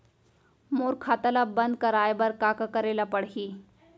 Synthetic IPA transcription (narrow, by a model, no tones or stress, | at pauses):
moɾkʰat̪alabənd̪̚kəɾajbəɾkakakəɾelapəɽɦiː